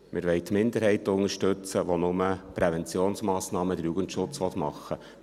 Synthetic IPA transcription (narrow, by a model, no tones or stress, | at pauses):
mʔɪɾʋɛɪt̪mɪnd̪əɾɦɛɪt̪ʊŋəʃtɵt͡səʋonʊməpɾevɛnt͡sjoːnsmɑːsnɑːməd̪əɾjuɡəntʃʊt͡sʋɔt̪mɑ̰χːə